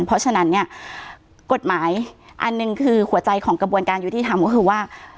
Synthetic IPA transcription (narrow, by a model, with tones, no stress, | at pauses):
npʰɔ˧˥sʰa˧na˦˥nːi˥˩ɐ | ko˨˩t̪̚maː˩˦jʔa˧nːɯ˨˩ŋkʰɯː˧hu˨˩˦ɐt͡ɕa˧jkʰɔː˩˦ŋkɾa˧bu˧ənkaː˧njuː˨˧˩iː˧˩t̪ʰa˧mkɔ˦˥kʰɯː˧˩waː˥˩